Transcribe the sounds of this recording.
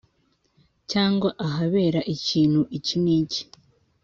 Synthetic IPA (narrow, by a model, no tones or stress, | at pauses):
caːŋɡwaʔaɦaβe̞ːɾaʔiciːn̥huʔiciniːci̥